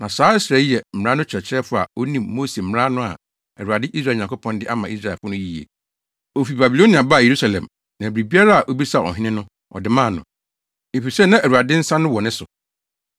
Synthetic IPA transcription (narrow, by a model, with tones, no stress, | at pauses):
nã˨saː˨˦ɛ˦sɾɛ˦ɛ˨m̩˨ã˦nʊ̃˦t͡ɕʰɛ˨t͡ɕʰɪ˦ɾɛ˦fʊ˦a̰˨o˦nĩ˨mːoː˦se˨m̩˨m˦ã˦nʊ̃˦a̰˨ | æ˨ɾu˨a˨dɪ˦ʔi˦s̬ɾa˦˨ɲã˨ŋkʰʊ˦pʰɔ̃˦ndɪ˦ʔa˦mã˨i˦sɾa˨fʊ˦nʊ̃˦ji˨ḛ˨ | o˨fi˨ba˨bi˨lõ˦nĩ˨ã˨ba˦˨je˨ɾu˦sa˨lɛ̰̃˨m | nã˨bɾi˨bi˦a˦ɾa˦a˨ʔo˦bi˦sa˦˨ɔ̰˨ɦɪ̃˦nɪ̃˦nʊ̃˦ | ɔ̰˨dɪ˨mã˦˨nʊ̰̃˨ | e˨fi˨sɛ˦˨nã˦ʔæ˨u˨a˨dɪ̃˦n̩˦sã˦nʊ̃˦wɔ˨nɪ̃˦sʊ˨